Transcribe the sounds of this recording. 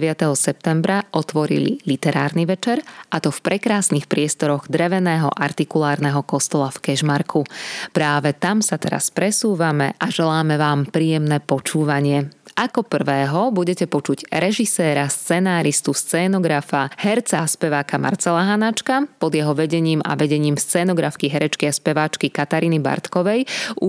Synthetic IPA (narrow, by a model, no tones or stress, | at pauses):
ʋɪat̪ɛɦɔsɛp̚t̪ɛmbɾaʔɔt̪ʋɔɾḭlḭlit̪ɛɾaːɾniʋɛt͡ʃɛɾʔat̪ɔfpɾʔɛkɾaːsnixpɾɪɛst̪ɔɾɔɣd̪ɾɛʋɛnɛːɦɔ̰ʔaɾt̪ikulaːɾnɛɦɔkɔst̪ɔlafkɛʒmaɾkʰupɾaːʋɛt̪amsat̪ɛɾa̰spɾɛsuːʋamɛʔaʒɛlaːmɛʋaːmpɾiːjɛmnɛːpɔt͡ʃuːʋaɲɪɛʔakɔpr̩ʋɛːɦɔbuɟɛcɛpɔt͡ʃuɟɾɛʒisɛːɾast͡sɛnaːɾist̪ust͡sɛːnɔɡɾafahɛɾt͡saspɛʋaːkama̰ɾt͡sɛlaɦanat͡ʃkapɔd̪jɛɦɔʋɛɟɛɲiːma̰ʋɛɟɛɲiːmst͡sɛːnɔɡɾafkiɦɛɾɛt͡ʃkiaspɛʋaːt͡ʃkikat̪aɾiːniba̰ɾt̪kɔʋɛju